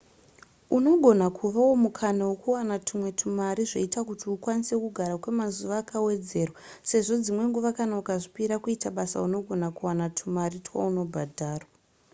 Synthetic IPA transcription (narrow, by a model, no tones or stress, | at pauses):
uno̞ɡʱo̞nakʰuʋawo̞mukʰanawo̞kuwanatʰumwe̞tʰumaɾiʐeitakutiukwanise̞kuɡʱaɾakwe̞mazuʋaːkawe̞d͡ze̞ːrwase̞ʐo̞d͡zimwe̞ŋɡuʋakanaukaʐipiɾakuitaɓasa̰uno̞ɡʱo̞nakuwanatʰumaɾitwa̰uno̞bʱadʱaːrwa